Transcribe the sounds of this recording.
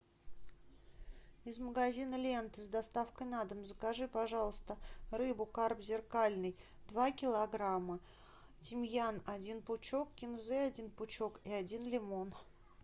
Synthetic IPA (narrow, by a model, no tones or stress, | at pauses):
ɪzməɡɐzʲinəlʲe̞nt̪ɨzd̪ɐst̪afkəjnad̪əmzəkɐʐɨpɐʐɑlˠəst̪əɾɨbʊkarpzʲɪrkalʲnɨj | d̪vakʲɪlˠɐɡɾamːə | tʲɪmʲjanɐdʲinpʊt͡ɕo̞kːkʲɪnzɛɐdʲinpʊt͡ɕo̞kiɐdʲinlʲɪmo̞n